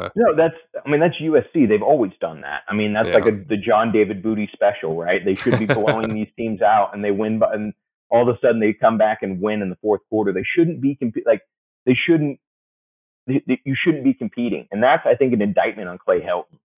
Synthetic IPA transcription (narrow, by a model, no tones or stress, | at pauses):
noʊðætsaɪmĩnðætsjʉɛsiðeɪvɔlˠwizdʌ̰̃nðæ̰t̚a̰ɪmĩnðætslaɪkɨðɨd͡ʒɑ̃ndeɪvɨd̚bʉɾispɛʃl̩ˠɹaɪt̪̚ðeɪʃʊdⁿn̩b̥ibʰloʊɪ̃ŋðiz̥tʰĩmzaʊtə̰̃nðeɪwɪ̃nbɨ̃n | ʔɔlˠðəsʌdⁿn̩ðeɪkʰʌ̃mbækɨ̃nwɪ̃nɨ̃nðəfɔɹθkʰw̥ɔɹɾə˞ðeɪʃʊdⁿn̩b̥ikɨ̃m̩pilaɪk̚ | ðeɪʃʊdⁿn̩t̚ | ðeɪðjɨʃʊdⁿn̩b̥ikʰm̩pʰiɾɪ̰̃ŋɨ̃nðætsaɪθɪ̃ŋkɨ̃nɨ̃ndaɪt̚mɨ̃ɾ̃n̩kʰl̥eɪhɛlˠʔn̩